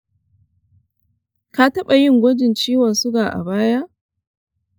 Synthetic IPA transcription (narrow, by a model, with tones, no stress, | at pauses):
ka˨tɐ˦ɓa˨jɪ˦ŋɡʷɔ˦d͡ʒɪ˨nt͡ʃiː˦wɐ˨sʊ˦ɡaː˨ʔa̰˨baː˦ja˦ʔ